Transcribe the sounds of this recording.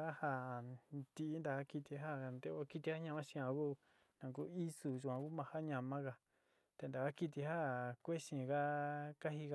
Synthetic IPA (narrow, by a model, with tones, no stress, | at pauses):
a˦ha˦˧˨t̪i˧ʔːnd̪a˨ka˦ki˧t̪i˧ɦa˦˨nd̪e˧o˧˦ki˦t̪i˧ha˦ɲã˧mã˦ʃĩ˧ã˧ku˦ | nã˧ku˦i˦su˧ʒu˧ã˧ku˦mã˧ha˦ɲã˧mã˦ka˧ | t̪e˧nd̪a˨ka˦ki˧t̪̬i˧ɦa˦kʷe˦ʃĩ˧˨ka˦ka˦ɦi˧ka˧